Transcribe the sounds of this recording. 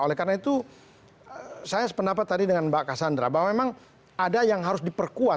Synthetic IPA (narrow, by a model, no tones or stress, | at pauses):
olɛkarnait̪u | sajaspəndapat̪ːadidəŋanbakasandɾa̰bawamemaŋ | adajaŋɦaɾʊsdipərkua